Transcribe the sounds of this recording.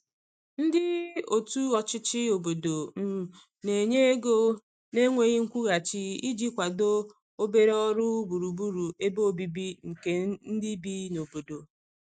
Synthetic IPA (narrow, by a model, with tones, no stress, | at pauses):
n̩˦dɪ˦o˨tu˦ɔ˨t͡ʃɪ˦t͡ʃɪ˦o˨bo˨do˨m̩˦˨ | ne˨ɲe˦e˦ɡo˦ | ne˦ŋʷe˦ɣi˦ŋ̩˦kʷu˦ɣa˨t͡ʃɪ˦i˦d͡ʒi˦kʷa˨do˦ | o˦be˦ɾɔ˦ɾʊ˦bu˨ɾu˨bu˦ɾu˨e˦bo˦˨bi˦bi˦ŋ̩˨ke˦n̩˦di˦bi˦no˨bo˨do˨